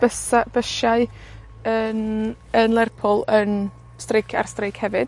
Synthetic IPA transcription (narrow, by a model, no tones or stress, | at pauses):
bəsab̥əʃaɨ | ən | ənlˠɛrpʰʊlˠən | strɪkʰa̰rstrɪkhɛvɨd̥̚